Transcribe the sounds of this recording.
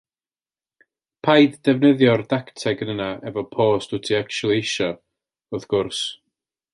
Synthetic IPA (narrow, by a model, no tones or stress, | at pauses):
pʰajddɛvnəðjɔrdaktʰɛɡənənaɛvɔpʰoːstutʰiakʰt͡ʃulˠiɪʃɔ | ɔðɡ̥ʊrs